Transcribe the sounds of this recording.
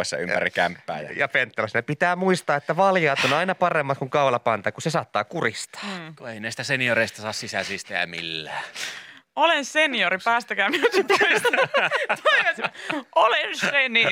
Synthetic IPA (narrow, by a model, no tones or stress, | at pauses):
esːɑ̰ympæ̰rikæ̰mpːæ̰ːjɑ̰jɑ̰fent̪ːelɑsnepit̪æːmuist̪ɑːet̪ːæʋɑljɑːt̪onɑinɑpɑremːɑt̪kuŋkɑulɑpɑnt̪ɑkusesɑːt̪ːɑːkurist̪ɑ̥ːkueineˑsi̥t̪æsenioɾeist̪ɑsɑːssisæsiːst̪ææ̰mḭlːæː | olensenioɾipæːst̪ækæmiæsit̪oist̪ɑt̪oiɑsolenseni